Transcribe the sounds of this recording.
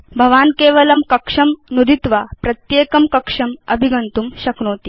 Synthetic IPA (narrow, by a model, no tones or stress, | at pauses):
bʱɐʋaːnkeːʋɐlɐmkɐkʂɐmnud̪it̪ʋapɾɐt̪jeːkɐmkɐkʂɐmɐbʱiɡɐnt̪uːmɕɐkɳoːt̪iː